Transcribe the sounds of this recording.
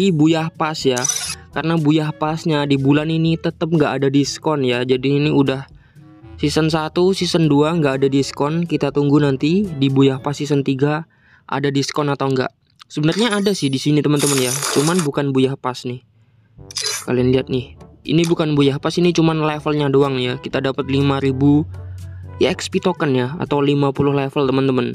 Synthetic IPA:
ibujahpasjakarənabujahpasɲadibulaninit̪ət̪əp̚ŋɡaʔadadiskɔnjad͡ʒadiːniudah | sisənsat̪usisənduaŋɡaʔːdadiskɔnkit̪at̪uŋɡunant̪idibujahpasisənt̪iɡa | ʔa̰dadiskɔnat̪awŋɡa̰ʔ | səbənərɲaaːdasɪhdisinit̪əmənt̪əmənjat͡ʃumanbukanbujahpasnɪh | kalianliat̪̚nɪhḭnibukanbujahpasinit͡ʃumanlafəlɲadoaŋjakit̪adapət̪limaɾibu | ɛkspit̪okənjaa̰t̪awlimapulʊhlafəlt̪əmənt̪əmən

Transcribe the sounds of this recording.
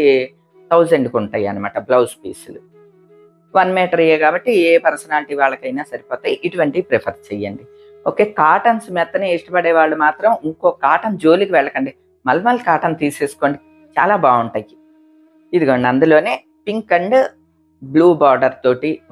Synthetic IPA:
t̪ʰɐwzeɳɖkuɳʈaːjɐ̰nɐma̰ːʈɐblɐwspiːsulu | ʋɐnmɛːʈɐɾɐjeːkaːbɐʈːieːpɐɾsɐnaːliʈiːʋaːɭːɐkɐjnaːsɐɾipɔːt̪aːjiʔiʈuʋɐɳʈipɾepʰɐɾt͡ʃejːɐɳɖi | o̰ːke̞ːkaːʈɐnsmɛt̪ːɐneːiʂʈɐpɐɽɛːʋaːɭːumaːt̪ɾɐmiŋko̞ːkaːʈɐnd͡ʒo̞ːlikiʋɛɭːɐkɐɳɖi | mɐlːɐmɐlːɐkaːʈɐnt̪iːse̞ːsu̥koɳɖi | t͡ʃa̰ːlaːbaːuɳʈaːji | id̪iɡɐɳɐnd̪ulo̞ːne̞ː | piŋkɐɳɖ | bluːbaːɾɖɐɾt̪o̞ːʈi

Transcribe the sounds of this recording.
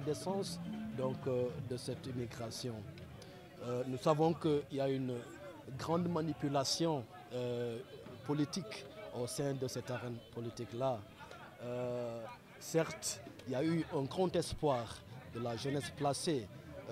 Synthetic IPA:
d̪ɛsɑ̃sd̪ɔ̃kd̪əsɛt̪imiɡʁasjɔ̃ | nusavɔ̃kəiljayn | ɡʁɑ̃d̪manipylasjɔ̃ | pɔlit̪ikosɛ̃d̪əsɛt̪aʁɛ̃npɔlit̪ikla | sɛʁt̪iljayɛ̃ɡʁɑ̃t̪ɛspwaːʁd̪əlaʒənɛsplase

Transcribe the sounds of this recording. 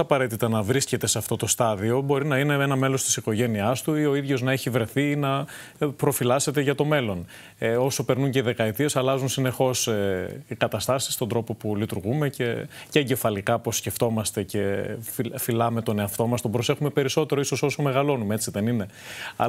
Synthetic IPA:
ɐpɐɾet̪it̪ɐnɐvɾisce̞t̪e̞seɐft̪o̞t̪o̞st̪ɐðio̞bo̞ɾinɐineenɐme̞lo̞st̪i̥siko̞ʝe̞niɐst̪uio̞iðʝo̞znɐeçivɾe̞θiːnɐ | pɾo̞filɐse̞t̪e̞ʝɐt̪o̞me̞lo̞n | o̞so̞pe̞ɾnuɲceðe̞kɐet̪ie̞sɐlɐzunsine̞xo̞seikɐt̪ɐst̪ɐsist̪ond̪ɾo̞po̞pulit̪uɾɣume̞ce̞ceɐɲɟefɐlikɐpo̞sce̞ft̪o̞mɐst̪e̞ce̞fifilɐme̞t̪o̞ne̞ɐft̪o̞mɐst̪o̞bɾo̞se̞xume̞pe̞ɾiso̞t̪e̞ɾoiso̞so̞so̞me̞ɣɐlo̞numeet͡siðe̞nine̞ɐ̰

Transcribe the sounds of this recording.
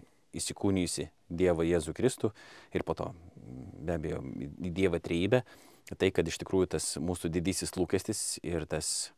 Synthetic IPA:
iʃsʲɪkuːnʲɪjʊsʲɪ | d̪ʲiɛʋɐjeːzuːkɾʲɪst̪uːɪɾpoːt̪o̰ːbʲæːbʲɛjo̰ːid̪ʲiɛʋɐt̪ʲɾʲɛjiːbʲɛ | t̪ɐɪkɐt̪ɪʃt̪ʲɪkɾuːjʊt̪ɐsmuːsud̪ʲɪd̪ʲiːsʲɪslˠuːkʲɛsʲt̪ʲɪsɪɾt̪ɐs

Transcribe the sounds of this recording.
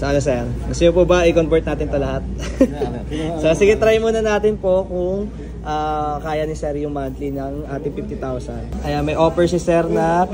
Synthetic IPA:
sɐʔɐnosɛɾɡɐst̪oɲopubɐʔɪkonbɛt̪naːt̪ɪnt̪ɐlɐhat̪̚ | sɐsɪɡɪt̪ɾajmunɐnaːt̪ɪnpo̞kʊŋ | ʔaːkaːjɐnɪsɛɾjʊŋmant̪linɐŋʔaːt̪ɪŋpift̪it̪awsɐnd̪ʔɐjanmɐjʔoːpɛɹsɪsɛɾnɐ

